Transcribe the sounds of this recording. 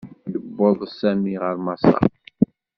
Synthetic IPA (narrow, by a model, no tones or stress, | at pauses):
d̪əbːoðˤsæmiʁəɾmɑsˤɑ̰